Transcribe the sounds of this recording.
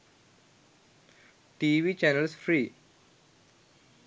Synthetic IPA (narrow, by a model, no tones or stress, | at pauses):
ʈiʋit͡ɕɛnəlsfɾiː